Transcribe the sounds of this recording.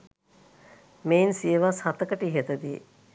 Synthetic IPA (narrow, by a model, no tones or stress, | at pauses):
meinsiəʋashat̪əkəʈiɦet̪əd̪i